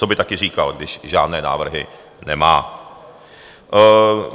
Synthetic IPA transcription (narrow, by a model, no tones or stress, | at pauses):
t͡sobɪt̪akɪr̝iːkalɡdɪʃʒaːdnɛːna̰ːvr̩ɦɪ̰ | nɛmaː